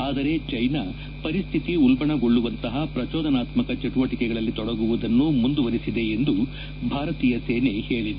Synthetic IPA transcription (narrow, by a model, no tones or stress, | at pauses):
aːd̪ɐɾe̞t͡ʃɐjna | pɐɾist̪ʰit̪iulbɐɳɐɡoɭːuʋɐnt̪ɐɦɐpɾɐt͡ʃɔːd̪ɐnaːt̪mɐkɐt͡ʃeʈuʋɐʈikɛɡɐɭɐlːit̪ɔɽɐɡuʋud̪ɐnːumund̪uʋɐɾisid̪e̞end̪u | bʱaːɾɐt̪iːjɐseːnehe̞ːɭid̪